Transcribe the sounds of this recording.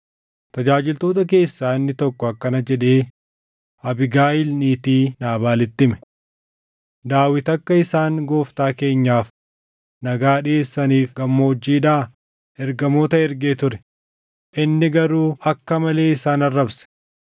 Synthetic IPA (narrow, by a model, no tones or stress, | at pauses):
t̪ɐd͡ʒaːd͡ʒɪlt̪o̞ːt̪ɐk̬e̞ːsːaːɪnːɪt̪ɔkːɔɐkːɐnɐd͡ʒɛᶑe̞ː | ɐbɪɡaːɪlniːt̪iːnaːbaːlɪt̪ːɪmɛ̥ | d̪aːwɪt̪ɐkːɐɪsaːŋɡo̞ːft̪aːke̞ːɲːaːf | nɐɡaːɗɪeːsːɐniːfɡɐmːɐɔd͡ʒːiːd̪aː | ɛɾɡɐmo̞ːt̪ɐɛɾɡeːt̪ʊɾɛ̥ | ʔɪnːɪɡɐɾuːʔɐkːɐmɐle̞ːɪsaːnɐrːɐbsɛ̥